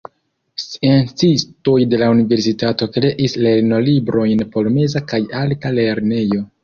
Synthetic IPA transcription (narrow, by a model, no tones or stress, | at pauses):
sient͡sisto̞jde̞launive̞ɾs̬itato̞kɾe̞ʔisle̞ɾno̞libɾo̞jnpo̞lome̞zakajaltale̞ɾne̞jo̞